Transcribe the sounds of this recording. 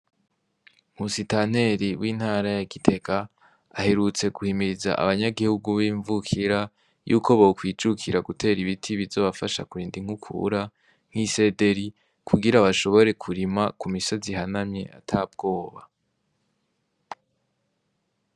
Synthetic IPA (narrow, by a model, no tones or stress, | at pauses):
m̥usitan̥e̞ɾiwiːn̥haːɾajaɡitʰe̞kaː | he̞ɾut͡se̞ɡuhimiɾiza̰ʔa̰βaɲaɡihuɡuβiːɱvukʰiɾa | jṵːkʰo̞βokwiːd͡ʒukʰiɾaɡutʰe̞ːɾiβitʰiβizo̞ːβafaʃa̰kuɾiːndiŋ̥ukʰṵɾa | ŋ̥hise̞de̞ɾi | kʰuɡiɾaβaʃo̞βo̞ɾe̞kʰuɾimakumiso̞ziɦanamɲe̞ʔatʰab̚ɡo̞ːβa̰